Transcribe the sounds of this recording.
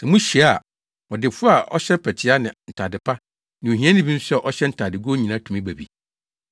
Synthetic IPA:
sã˨mũ˦ɕi˨a˦˨ | ɔ˨dɪ˨fʊ˦a˨ʔɔ̰˦ɕɛ˦pʰæ˨tʰɪ˦a˦nɪ̃˨n̩˨tʰa˨dɪ˨pʰa˦ | nɪ̃˨o˨ɦĩ˦ã˦nɪ̃˦bĩ˦n̩˦sɛ˦ʔɔ˦ɕɛ˦n̩˨tʰa˨dɪ˨ɡo˦ɲĩ˨nã˦tʰũ˨mĩ˦bæ˨bḭ˨

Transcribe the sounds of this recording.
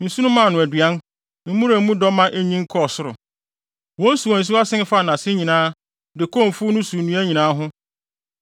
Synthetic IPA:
n̩˨su˦nʊ̃˦mã˦˨nʊ̃˨æ˨dɥa˦n | m̩˦mũ˦ɾa˨m̩˦mũ˦dɔ˦mã˦ʔe˦ɲĩ˦ŋ̩˦kʰɔ˦˨sʊ˦ɾʊ̰˨ | wɔ̃˦n˦su˨ɔ̃˨n̩˨s̬u˦a˦sɪ̃˦n˦fa˦˨nã˨sɪ˦ɲĩ˨nãː˦ | dɪ˨kʰɔ̃˦˨m˨fu˦nʊ̃˦su˨nũ˨˦æ˦ɲĩ˨nãː˦ɦʊ̃˦

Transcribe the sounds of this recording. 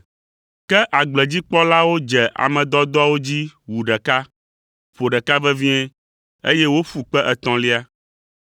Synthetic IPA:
kɛ˦ʔa˨ɡ͡blɛ˨d͡ʑi˦k͡pɔ˦la˦wo˦d͡ʒɛ˨ʔa̰˨mɛ̃˨d̪ɔ˦d̪ɔ˦a˦wo˦d͡ʑi˦wu˨ɖɛ˨ka˦ | ɸo˨ɖɛ˨ka˦vɛ˦vĩ˦ɛ̃˦ | ḛ˦jɛ˦wo˦fu˨k͡pɛ˦ʔɛ˨t̪ɔ̃˨li˦a˦

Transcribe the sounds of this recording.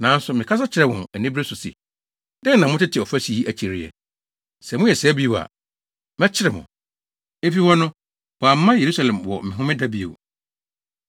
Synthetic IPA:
nã˨˦n̩˦sʊ˨mɪ̃˨kʰa˦s̬a˦t͡ɕʰɪ˨ɾɛ˨wʊ̃˨æ˨nĩ˦bɾe˦sʊ˨sḭ˨ | dɛ̃˦n˦nã˨mʊ̃˦tɪ˦tʰɪ˨ɔ˨fæ˦si˨i˦ʔæ˨t͡ɕʰi˨ɾɪ˦ɛ̰˨ | sɛ˨mʊ̃˦jɛ˨sɛ˦bi˦˨a̰˨ | mɛ̃˦t͡ɕʰɪ˦ɾɛ˨mʊ̰̃˨ | e˦fi˦hɔ˦nʊ̃˦ | wɔ˨a˨m̩˦mã˦je˨ɾu˦sa˨lɛ̃˨mwɔ̰˨mɪ̃˨ɦʊ̃˦mɪ̃˦da˦bi˦o̰˨w

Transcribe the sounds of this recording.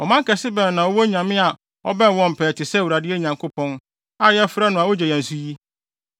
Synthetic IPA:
ɔ˨mã˦ŋ˦kɛ˨sɪ˦bɛ̃˨nː˨ã˨ɔ˦wɔ˦ɲã˨mɪ̃˦a˨ | ɔ̰˦bɛ̃˦n˨wɔ̃˦m̩˨pʰɛː˨tɪ˨sɛ˦˨wu˨ɾa˨dɪ˦e˦˨ɲã˨ŋkʰo˦pʰɔ̃˦n | a˦jɛ˦fɾɛ˦nʊ̃˨ã˨wɔ˦d͡ʑɛ˨jɛ̃˨n˨su˦ji˦

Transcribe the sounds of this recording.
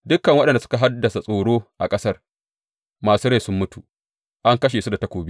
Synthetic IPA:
dʊ˦kːɐ˨ŋwɐ˦ɗɐ˨ndsʊ̥˦ka˨ɦa˦dːɐ˨sa˨sʼoː˨ɽoː˦ʔa˨kʼɐ˦sɐ˦r | maː˨suː˦ɽa˦˨sʊ˦mːʊ˦tu˨ | ʔa˦ŋkɐ˦ʃeː˨su˦da˨tɐ˦kʷoː˨bi˦

